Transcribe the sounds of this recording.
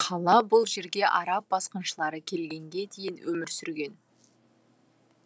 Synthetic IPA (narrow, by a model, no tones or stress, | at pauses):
qʰɑlˠɑbʊlˠʒe̞ɾɡʲe̞ʔɑɾɑp̚bɑsqɑnʃəlˠɑɾəkʲʰe̞lɡʲe̞ŋɡʲe̞d̪ʰe̞jɪnwɵmɪɾsʏɾɡʲe̞n